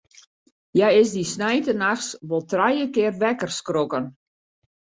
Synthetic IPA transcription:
jajɪsdisnɛjtənaxsʋɔlˠtrajəkɪərʋɛkərskrokən

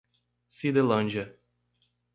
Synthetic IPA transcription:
sid̪elɐ̃nʲd͡ʒɐ

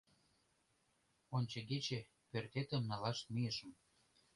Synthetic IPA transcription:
onʲt͡ɕeɡet͡ɕĕ | pørt̪et̪ə̆mnɑlɑʃt̪mijə̆ʃə̆m

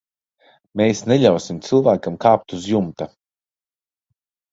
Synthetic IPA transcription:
meːsneʎʲawsimt̪sɨlˠvæːkamkaːp̚t̪uzjumt̪a

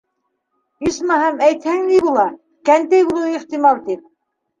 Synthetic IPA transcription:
ismɑɦæmæjt̪hæŋnibulˠɑ | kænt̪æjbulˠuiχt̪imɑlˠt̪ip̚

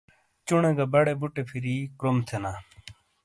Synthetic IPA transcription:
t͡ʃʊɳẽːɡaːbəɽeːbuʈeːpʰiɾiːkɾoːmt̪ʰenaː

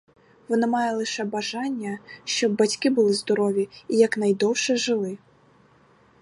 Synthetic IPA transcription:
ʋɔnɔmɑjɛlˠɪʃɛbɐʒɑnʲːɐʃt͡ʃɔbːɐtʲkɪbʊlˠɪzd̪ɔɾɔʋʲjiijɐknɐjd̪ɔwʃɛʒɪlˠɪ

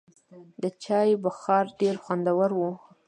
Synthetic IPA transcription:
d̪ət͡ʃɑjbaxɑɾɖeɾxwand̪awaɾwu

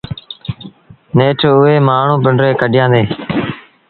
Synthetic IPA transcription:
neːʈʰʊeːmaːɳ̤ũːpɪɳɖɾeːkəɖɪjãːd̪eː

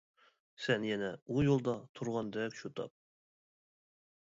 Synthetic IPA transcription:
sɛnjɛnɛujolˠd̪ɑt̪ʰuɾʁɑnd̪ɛkʲʃut̪ʰɑ̰p̚

